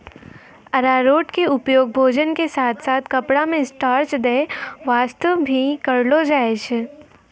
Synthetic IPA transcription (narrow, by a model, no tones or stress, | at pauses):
ɐɾaːɾoːʈkeʊpjoːɡ̚bʱoːd͡ʒənkesaːt̪ʰsaːt̪ʰkɐpɽamẽsʈaːɾt͡ʃd̪eːʋaːst̪əʋbʱikɐɾlod͡ʒaːeʃ